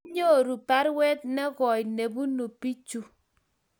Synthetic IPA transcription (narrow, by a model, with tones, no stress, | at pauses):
ɲo˦˨ɾu˨pa˦ɾwɛ˦t̚nɛ˦ɣɔ˨jne˨bu˦nu˨pi˦t͡ʃu˦